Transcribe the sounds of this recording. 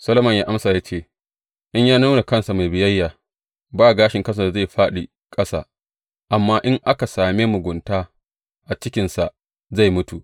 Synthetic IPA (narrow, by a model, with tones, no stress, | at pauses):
sɐ˦lɐ˦mɐ˨ɲjaː˦ʔa˦msaː˨jaː˦t͡ʃeː˦˨ | ʔɪ˦ɲjaː˦na˦na˨kɐ˦nsa˨ma˨jbɪ˨jɐ˦jːaː˨ | baː˦˨ɡaː˦ʃɪ˨ŋkɐ˦˨s̬a˨da˨za˦˨jɸaː˦ɗi˨ | kʼɐ˦sa̰ː˨ | ʔa˨mːaː˦ʔɪ˦ŋʔa˦ka˨saː˨meː˦mʊ˨ɡʷʊ˨ntaː˦ | ʔa˨t͡ʃɪ˦kʲɪ˨nsa˨ | za˦˨jmʊ˦tu˨ʔ